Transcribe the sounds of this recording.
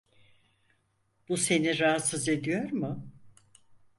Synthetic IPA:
b̥use̞niɾaɦat̪sɯze̞d̪ijo̞ɾmʊ

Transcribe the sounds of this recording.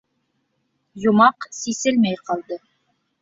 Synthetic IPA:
jŏmɑqsisɘlmæjqɑlˠd̪ɤ

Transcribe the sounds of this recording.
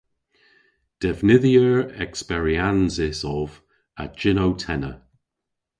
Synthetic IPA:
d̥ɛvnɪðjəɹɛkspɛɹianzɪsɔv | ə̰d͡ʒɪnowtʰɛnə

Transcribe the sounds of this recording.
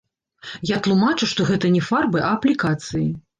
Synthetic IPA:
jat̪lˠumat͡ʂɨʂt̪ɔɣɛt̪ɐnʲɛfarbɨʔɐɐplʲikat̪sɨji

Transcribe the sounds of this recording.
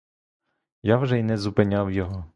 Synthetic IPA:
jawʒɛinɛzʊpɪnʲawjɔɦɔ

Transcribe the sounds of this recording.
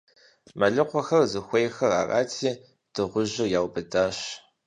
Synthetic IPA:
mɐɮɨqʷɔxɐrzɨxʷejxɐra̰ːra̰ːtʰiː | d̥ʰɨʁʷʊʑɪjaːwbɨdaːɕ

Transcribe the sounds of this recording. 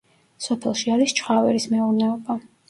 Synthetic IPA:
sɔpʰɛlˠʃiaɾist͡ʃʰχavɛ̰ɾismɛuɾnɛɔba

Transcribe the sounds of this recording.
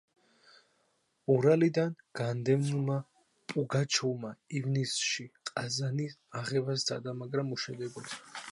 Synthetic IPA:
ɔɾalid̪anɡ̥and̪ɛmnuma | pʼuɡat͡ʃʰulmaivnisʃiqʼazaniaʁɛvasd̪a̰d̪amaɡɾamuʃɛd̪ɛbɔs

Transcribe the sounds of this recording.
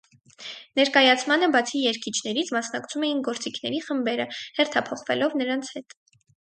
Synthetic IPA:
nɛɾkɑjɑt͡sʰmɑnəbɑt͡sʰijɛɾkʰit͡ʃʰnɛɾit͡sʰmɑsnɑkt͡sʰumɛjinɡɔɾt͡sikʰnɛɾiχəmbɛɾəhɛrt̪ʰɑpʰɔχvɛ̰lɔvnəɾɑnt͡sʰhɛt̪

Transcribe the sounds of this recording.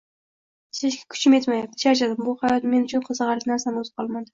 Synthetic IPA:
sɪʃɡʲḁkʰʊ̥t͡ʃɪme̞t̪majap̚t̪ʰɪ̥ʃaɾt͡ʃad̪ɪmbʊhajɒt̪me̞nʊt͡ʃʰʊnqʰɨzɨʁɑɾlɪkʲnaɾsanʊzqʰɒlˠmad̪ɪ

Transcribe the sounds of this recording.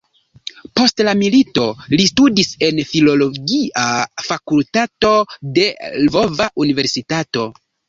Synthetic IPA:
po̞stlamilitolistudise̞nfilo̞lo̞ɡiʔafakultato̞de̞lvo̞vaʔunive̞ɾsitato̞

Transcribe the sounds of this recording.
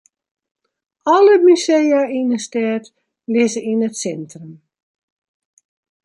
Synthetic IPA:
ɔləmysejainəstɛːt | lɪzəinətsɛntrəm

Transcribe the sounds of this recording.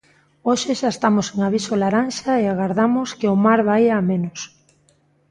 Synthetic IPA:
oʃeʃaest̪amoseŋaβ̞isolaɾanʃaeaɣaɾðamoskeʊmaɾβajaːmẽnos

